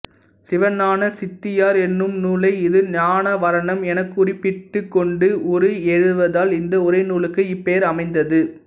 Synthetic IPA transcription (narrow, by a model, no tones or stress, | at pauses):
sɪʋɐnaːnɐsɪt̪ːɪjaːɾɛnːɯmnuːlɐɪɪðɯɲaːnɐʋɐɾɐɳɐmɛnɐkːʊrɪpːɪʈːɯkːɔɳɖɯʔɔɾɯɛɻɯɯʋɐðaːlɪnd̪ɐʊɾɐɪnuːɭɯkːɯɪpːeːɾɐmɐɪnd̪ɐðɯ